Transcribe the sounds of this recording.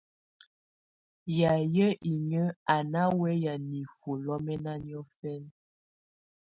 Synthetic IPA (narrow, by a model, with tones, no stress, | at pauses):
ja˨jə˦ʔi˨ɲə˦a˨na˦wɛ˦ja˨ni˨fo˨lɔ˦mɛ˦na˦njɔ˦fɛ˦n